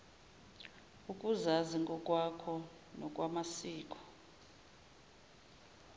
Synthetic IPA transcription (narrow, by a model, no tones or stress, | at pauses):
ukʼuzaziŋɡʱʼɔkʼwakʰɔ | nɔk̬ʼwamasiːk̬ʼɔ̥